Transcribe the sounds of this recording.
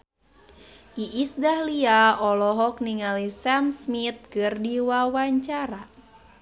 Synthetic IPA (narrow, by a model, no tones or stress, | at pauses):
ʔiʔisdahliaɔlɔɦɔk̚niŋalisamsmit̪̚kɨrdiwawaɲt͡ʃaɾa